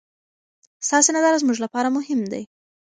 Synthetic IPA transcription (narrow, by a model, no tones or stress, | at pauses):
st̪ɑsenazɑɾazmuʒlapɑɾamʊhɪmd̪a̰j